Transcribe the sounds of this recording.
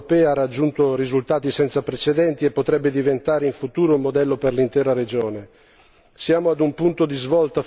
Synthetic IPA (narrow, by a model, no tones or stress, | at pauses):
pɛːaarad͡ʒːunt̪orizult̪aːt̪isɛnt̪sapɾet͡ʃed̪ɛnt̪iepːot̪ɾɛbːed̪ivent̪aːɾeiɱfut̪uːɾoumːod̪ɛlːoperlint̪ɛːɾaɾed͡ʒoːne | sjaːmoad̪umpunt̪od̪izvɔlt̪a